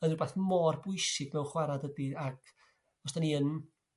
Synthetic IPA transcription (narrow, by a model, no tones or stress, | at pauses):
əðɨrbaːθmɔːrbʊjsɪɡ̥nɛwχwaɾadədiak | ɔsd̥aniən